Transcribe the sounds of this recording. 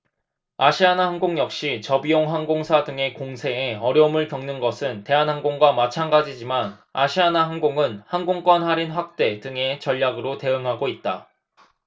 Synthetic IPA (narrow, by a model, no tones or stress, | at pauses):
aɕʰianaɦanɡoŋjʌk̚ɕ͈it͡ɕʌbijoŋɦaŋɡoŋsʰadɯŋe̞koŋsʰe̞ːʌɾjʌumɯɭkjʌŋnɯnɡʌsʰɯnte̞anɦanɡoŋɡwamat͡ɕʰanɡad͡ʑid͡ʑimanaɕʰianaɦanɡoŋɯnhanɡoŋk͈wʌnɦaɾinɸwak̚t͈e̞dɯŋe̞t͡ɕʌʎjaɡɯɾote̞ɯŋɦaɡoit̚t͈a